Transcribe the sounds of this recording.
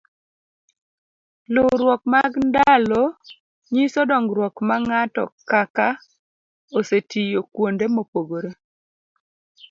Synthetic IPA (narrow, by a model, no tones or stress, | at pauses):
loɾwɔk̚maɡndalo | ɲisɔdɔŋɡɾwɔkmaŋatɔ̰kaka | osetijokwondemopoɡoɾe